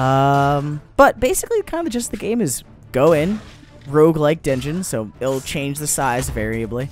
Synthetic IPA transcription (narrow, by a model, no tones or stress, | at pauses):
ʌ̃mb̥ʌt̚b̥eɪsɨklikʰãɪ̃ndɨd͡ʒʌsðɨɡẽɪ̃mɨz | ɡ̥oʊɪ̃n | ɹoʊɡlaɪk̚d̥ʌ̃nd͡ʒɨ̃nsoʊɪl̩ˠt͡ʃʰẽɪ̃nd͡ʒðɨsaɪzvɛɹiɨbli